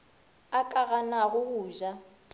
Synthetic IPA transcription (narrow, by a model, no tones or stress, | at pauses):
akʼaɣanaɣʊɣuːʒa